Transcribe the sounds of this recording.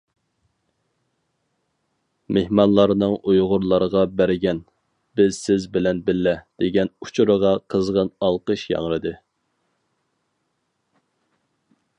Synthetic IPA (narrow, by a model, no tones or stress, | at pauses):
mehmɑnlˠɑɾnɨŋujʁʊɾlˠɑɾəʁɑbæɾɪɡʲɛn | b̥ɪzsɪzbɪlɛnbɪlːɛd̪̥eɡʲɛnut͡ʃʰuɾəʁɑqʰəzʁənɑlˠqəʃjɑ̰ŋɾɨd̪ɨ